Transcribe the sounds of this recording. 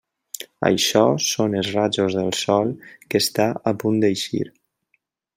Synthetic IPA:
ə̰jʃɔsonəzrad͡ʒozðəlˠsɔlˠkəst̪aəpund̪ejʃḭɾ

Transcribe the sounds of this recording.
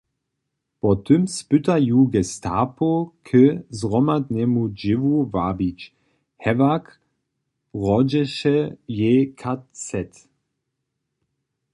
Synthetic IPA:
pɔt̪ʰʏmspʏt̪ajuːɡɛstʰaːpokʰəzʁɔmad̪nɛmud͡ʒɪvuvabit͡ʃ | hɛvak | ʁɔd͡ʒɛʃɛjekʰat͡sɛt

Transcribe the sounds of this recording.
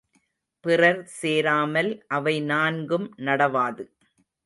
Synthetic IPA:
pɪrɐɾseːɾaːmɐlʔɐʋɐɪnaːnɡɯmnɐɽɐʋaːðɯ

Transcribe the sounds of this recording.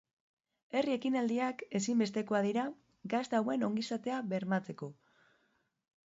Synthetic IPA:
e̞rie̞kinald̪iake̞simbe̞st̪e̞ko̞aðiɾa | ɡazd̪awe̞no̞ŋɡisat̪e̞aβe̞ɾmat͡se̞ko̞

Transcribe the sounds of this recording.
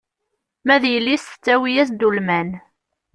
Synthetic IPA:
mæðjəlːisθə̥t͡sːæwijæs̬d̪ulmæn

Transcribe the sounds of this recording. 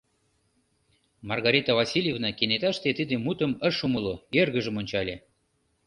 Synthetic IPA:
mɑrɣɑɾʲit̪avɑsʲilʲjevnɑkenet̪ɑʃt̪et̪id̪emut̪əməʃumuloerɣə̆ʒəmonʲt͡ɕɑlʲe

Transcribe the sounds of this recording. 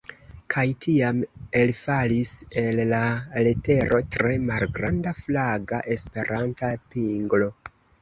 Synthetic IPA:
kʰajtʰiame̞lfalise̞lːalete̞ɾʔo̞tɾe̞malɡɾandaflaɡa̰ʔe̞spe̞ɾʔantapiŋɡlo̞

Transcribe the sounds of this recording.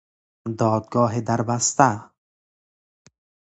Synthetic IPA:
d̪ɔːd̪̚ɡɒːɦid̪aɾbast̪a

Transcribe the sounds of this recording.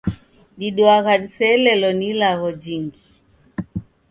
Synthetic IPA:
ɗiɗwaɣaɗisɛlɛlɔnilaɣɔd͡ʒiŋɡi

